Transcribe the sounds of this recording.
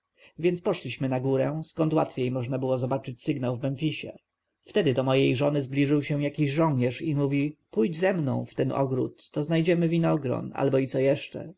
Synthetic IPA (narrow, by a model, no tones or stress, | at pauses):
vʲjɛnt̪spɔʂlʲiɕmɘnaɡuɾɛskɔnt̪wat̪fʲjejmɔʐnabɘwɔzɔbat͡ʂɘt͡ɕsɘɡnawvmɛnfʲiɕɛ̰ | ft̪ɛd̪ɘd̪ɔmɔjejʐɔnɘzblʲiʐɘwɕɛjakʲiʑʐɔw̃ɲɛʂimuvʲipujd͡ʑzɛmnɔ̰̃w̃ft̪ɛnɔ̰ɡɾṵt̪ːɔznajd͡ʑɛmɘvʲinɔɡɾɔ̰na̰lbɔit̪sɔjɛʂt͡ʂɛ̰